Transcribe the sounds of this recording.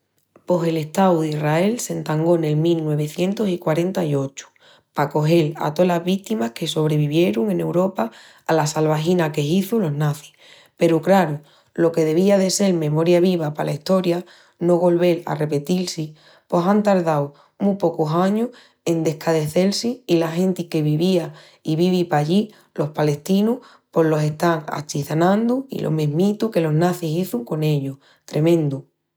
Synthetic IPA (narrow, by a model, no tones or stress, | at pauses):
po̞se̞le̞ht̪awðirae̞lse̞nt̪aŋɡo̞ne̞lmilnwe̞βe̞θje̞nt̪o̞sikwaɾe̞nt̪aio̞t͡ʃu̥ | pako̞ɦe̞la̰t̪o̞lazβit̪imahke̞so̞βɾe̞β̞iβje̞ɾuŋẽ̞ne̞wɾo̞paː | lasalβaxinake̞iθulo̞ɦnaθi̥ | pe̞ɾukɾaɾu | lo̞ke̞ð̞e̞β̞iaðe̞se̞lmẽ̞mo̞ɾjaβ̞iβ̞apalaiht̪o̞ɾja | no̞ɣo̞lβe̞la̰re̞pe̞t̪ilsi | po̞sant̪aɾðaw | mupo̞kusaɲuh | e̞nd̪e̞hkʰaðe̞θe̞lsiːlaxẽ̞nt̪ike̞βiβia | iβiβipaʎi | lo̞hpale̞ht̪inuh | po̞ɦlo̞se̞ht̪aŋa̰t͡ʃiθanãnd̪uḭlʔo̰meɦmit̪uke̞lo̞ɦnaθisiθuŋko̞ne̞ʎoh | t̪ɾe̞mẽ̞nd̪u